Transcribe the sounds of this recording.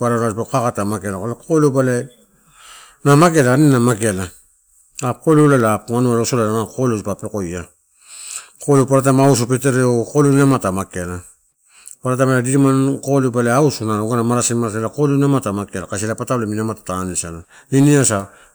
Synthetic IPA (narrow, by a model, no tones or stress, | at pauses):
paɾanaspakakatamake̞lakolekʰolobale | namake̞laninamake̞la | akoleolalaŋanuaɾosolanamakʰolesipapeko̞ja | kolopaɾat̬amausupete̞ɾeokolunamatamake̞la | paɾat̬amaadiɾimankolebaleausunaoɡanamaɾasimaɾaselakolenamatamakelakaselapataleminamatḁtanisala | niniasa